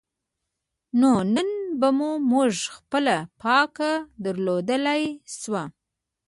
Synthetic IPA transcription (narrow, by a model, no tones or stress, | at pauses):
nonənbamumuʐxpəlapʰɑkad̪əɾlod̪əlajswa